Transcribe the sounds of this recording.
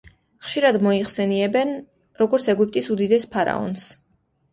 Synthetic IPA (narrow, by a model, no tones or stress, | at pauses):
χʃiɾad̪mɔiχsɛniɛbɛn | ɾɔɡɔɾt̪sʰɛɡip̚t̪ʼisud̪id̪ɛspʰaɾa̰ɔ̰ns